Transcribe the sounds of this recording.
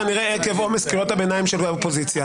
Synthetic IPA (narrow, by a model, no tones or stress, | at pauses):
aniʁeekevomeskiʁothabenaimʃelɡaopo̞zit͡sja